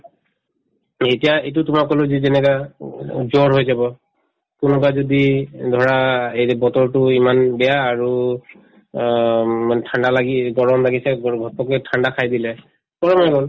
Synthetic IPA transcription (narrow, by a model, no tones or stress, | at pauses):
etiaejt̬ʊtʊmakɔlozizɛnɛka | zɔɹɦojzabɔ | kʊnʊbazodidʱɔɹaejbɔtɔɹtʊimanbɛjaːɹu | manɛtʰandalaɡiɡɔɹɔmlaɡisɛɡɔɡʱɔtɔkɔtʰandakʰajdilɛ | pɔɹɔmanɛɡol